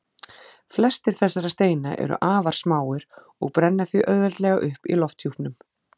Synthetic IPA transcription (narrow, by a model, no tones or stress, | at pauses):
flɛst̪ɪɾ̥θɛsːaɾast̪eːjna̰ʔɛ̰ɾʏ̰ʔaːvaɾ̥smaːwɪɾ̥ | ɔɣpɾɛnːaθviʔœððɛlt̪lɛɣaʔʏhpḭlɔft̪hjuhpnʏm